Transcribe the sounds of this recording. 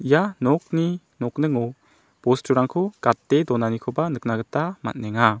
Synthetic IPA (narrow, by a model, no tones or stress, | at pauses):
ijanɔk̚ni | nɔk̚nɯŋɔ | bɔstʰuɾaŋkʰɔɡ̥at̚ːedɔnanikʰɔbanɯk̚naɡɯtama̰t̚nɛŋa